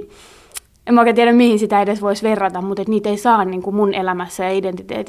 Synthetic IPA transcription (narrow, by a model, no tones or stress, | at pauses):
emoˑket̪iænæmmihinsit̪æedesʋoisʋerːɑt̪ɑmmut̪et̪niːt̪eisɑːnniːŋkumunʔelæmæsːæjɑident̪it̪ḛːt̪